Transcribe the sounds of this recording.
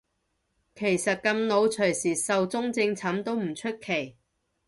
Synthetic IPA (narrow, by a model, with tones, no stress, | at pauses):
kʰe˨˩jsɐ˨t̚kɐ˧mno˨˧wt͡ʃʰɵ˨˩ɥsiː˨˩sɐ˨wt͡sʊ˥ŋt͡sɪ˧ŋt͡sʰɐ˨˥mt̪o˥wm̩˨˩t͡ʃʰɵ˥t̚kʰe˨˩j